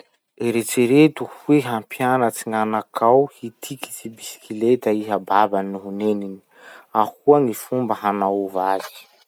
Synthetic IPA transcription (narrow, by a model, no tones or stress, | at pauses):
eɾet͡ʃeɾet̪uhuweɦampjanət͡siŋanakʰawhit̪ʰiki̥t͡sibisi̥kilet̪aiɦababannuɦunenini | ahuaŋifumbəɦanauvazi̥i̥